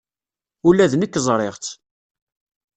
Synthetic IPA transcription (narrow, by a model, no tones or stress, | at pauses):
ulːæðnəkːzˤɾˤeʁt͡s̪